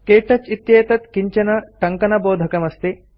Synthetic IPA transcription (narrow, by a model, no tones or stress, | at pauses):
keːʈɐt͡ʃit̪jɐːt̪ɐt̪kiɲt͡ʃɐnɐʈɐŋkɐnɐboːd̪ʱɐkɐmɐst̪i